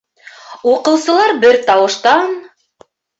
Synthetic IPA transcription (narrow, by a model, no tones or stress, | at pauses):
uqɤ̆wsɤ̆lˠɑɾbɘɾt̪ɑwɤ̆ʃt̪ɑn